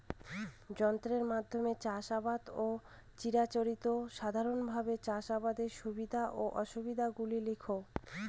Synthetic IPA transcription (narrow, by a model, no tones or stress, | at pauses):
d͡ʑɔnt̪ɾeɾmad̪ʱːomet͡ɕaʃabad̪o | t͡ɕiɾat͡ɕoɾit̪oʃad̪ʱaɾonbʱabet͡ɕaʃabad̪eʃubid̪ʱaʔoʔɔʃubid̪ʱaɡulilikʰo